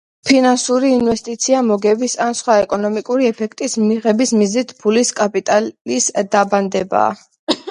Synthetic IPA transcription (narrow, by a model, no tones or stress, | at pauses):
pʰinansuɾiːnvɛst̪ʼit̪sʰiamɔɡɛbisansχwaɛkʼɔnɔmikʼuɾiɛpʰɛkʰt̪ʼismniʁɛbismiznit̪ʰpʰuliskʼapʼit̪ʼallisd̪̥aband̪ɛba̰ː